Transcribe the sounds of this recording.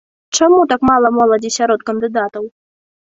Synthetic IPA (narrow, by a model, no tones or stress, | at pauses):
t͡ʂamut̪akmalˠɐmɔlˠɐd͡zʲisʲaɾɔt̪kɐnd̪ɨd̪at̪ɐw